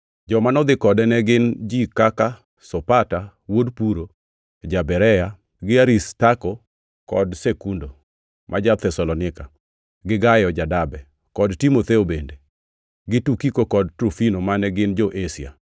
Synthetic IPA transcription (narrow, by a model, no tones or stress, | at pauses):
d͡ʒɔmanɔd̪ɪkɔdɛnɛɡɪnd͡ʒikaka | sɔpata | wodpuɾo | d͡ʒabɛɾɛja | ɡɪaɾistakɔ | kɔ̰dsekundo | mʔad͡ʒat̪ʰɛsɔlɔnɪka | ɡɪɡajɔd͡ʒadabɛ | kɔdtimot̪ɛobende | ɡɪtukikokɔd̚tɾofinomanɛɡɪnd͡ʒɔʔesia̰